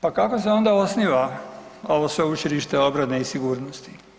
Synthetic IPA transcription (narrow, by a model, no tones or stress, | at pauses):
pakakos̬eo̞nd̪ao̞sniʋao̞ʋosʋe̞ut͡ʃiɾiʃt̪eo̞bɾane̞isiɡuːɾnost̪i